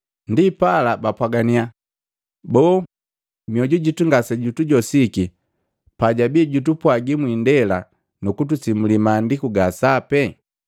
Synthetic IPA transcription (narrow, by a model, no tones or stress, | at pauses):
ndipalabapwaɡania | bɔː | miɔɟuɟituŋɡasɛɟutuɟɔsiki | paɟabiɟutupwaɡimwindɛla | nukutusimulimaːndikuɡasapɛ